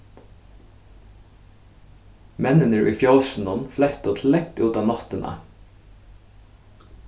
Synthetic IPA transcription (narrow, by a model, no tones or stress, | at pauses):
mɛnənəɹʔḭːfjolsn̩ɔnflɛkt̪oːt̪ʰlɛkt̪ʉːt̪ɑːnɑt̪ənʔə̰